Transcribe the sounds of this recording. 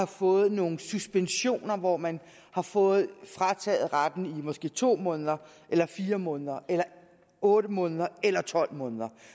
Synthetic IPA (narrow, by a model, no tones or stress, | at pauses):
ɑ̈fɔ̽ːð̞̩ˠno̝ːŋ̩susb̥enɕo̝̰ːnɐʋɒmæn | hɑ̈fɔ̽ːð̩ˠfʁɑt͡sʰɛ̰ːð̩ˠʁad̥n̩imɒ̽sɡ̥e̝̰ːt͡sʰo̝̰ːmɔ̽ːnð̞ˠɐ | ʔelɐfiːɐmɔ̽ːnðˠɐʔelɐ | ɔ̽ːɾəmɔ̽ːnðˠɐelɐt͡sʰɒ̽l̰mɔ̽ːnðˠɐ